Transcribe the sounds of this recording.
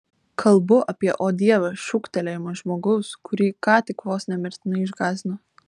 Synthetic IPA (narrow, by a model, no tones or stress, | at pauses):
kʰɐlˠbʊʔɐpʲiɛʔoːd̪ʲiɛʋɐʃʊkt̪ʲɛlʲɛɪmɐʒmoːɡɐʊskʰʊɾʲiːkɑːt̪ʲɪkʋoːsnʲɛmʲɪɾʲt̪ʲɪnɐɪɪʒɡɑːzʲno